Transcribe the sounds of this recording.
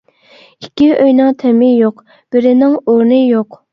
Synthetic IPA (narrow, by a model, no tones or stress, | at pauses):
ikʲːiøjnɨŋt̪ʰɛmɪjoq | b̥ɪɾɪnɪŋoɾnɨjoq